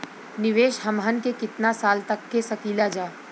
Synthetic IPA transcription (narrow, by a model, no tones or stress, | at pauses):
nɪʋeːʃɦɐmɦənkekɪt̪nasaːlt̪ɐkːesɐkiːlad͡ʒaː